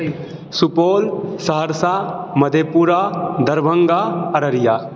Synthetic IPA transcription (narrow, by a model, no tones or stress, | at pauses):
supoːlsəɦəɾsaməd̪ʱepuːɾad̪ʱəɾbʱəŋɡaɐɾəɾija